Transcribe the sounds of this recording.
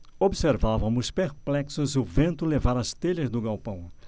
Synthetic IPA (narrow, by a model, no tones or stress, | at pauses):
obseɾvavɐmʊspeɾplɛksʊzʊvẽnt̪ʊlevaɾɐst̪eʎɐzd̪ʊɡawpɐ̃w̃